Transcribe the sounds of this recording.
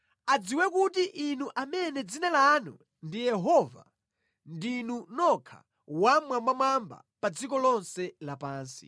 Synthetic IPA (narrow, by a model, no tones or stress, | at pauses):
ad͡ziwɛkutiʔinuʔamɛnɛd͡zinalanu | ndijɛɦɔva̰ | ndinunɔkʰa̰ | wamwambamwamba̰pad͡zikɔlɔnsɛlapaːnsḭ